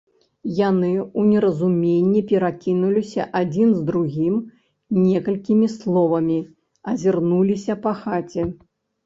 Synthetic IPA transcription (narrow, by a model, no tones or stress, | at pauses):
janɨunʲɛɾɐzumʲenʲːipʲɛɾakʲinulʲisʲɐʔad͡zʲinzd̪ɾuɣʲim | nʲɛkɐlʲkʲimʲislˠɔvɐmʲi | ɐzʲirnulʲisʲɐpɐxat͡sʲɛ